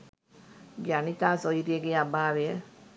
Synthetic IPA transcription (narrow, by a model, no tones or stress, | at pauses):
ɡjanit̪asɔjɾijəɡeabaːɾeə